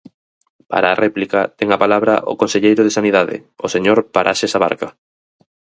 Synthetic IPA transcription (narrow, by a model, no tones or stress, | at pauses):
pa̰ɾaːrʔɛplikat̪ɛŋapalaβɾa̰ʔo̰konseʎejɾoð̞esaniðaðɪ̰oseɲoɾpaɾʔa̰ʃesaβa̰ɾka